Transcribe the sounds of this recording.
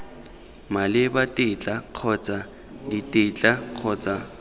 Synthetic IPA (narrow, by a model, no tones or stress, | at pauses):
malɪbatʼɪt͡ɬʼaq͡χʰɔt͡sʼa | ditʼɪt͡ɬʼaq͡χʰɔt͡sʼa